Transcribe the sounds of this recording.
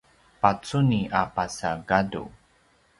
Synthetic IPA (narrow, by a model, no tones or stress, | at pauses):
pat͡suniʔapasaɡadṵ